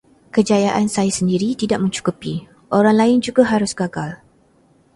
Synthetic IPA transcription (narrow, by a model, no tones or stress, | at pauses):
kəd͡ʒajaʔansajasəndiɾit̪idaʔmə̃ɲt͡ʃu̥kupi | ʔoɾaŋlaɪnd͡ʒuɡaɦaɾʊsɡaɡal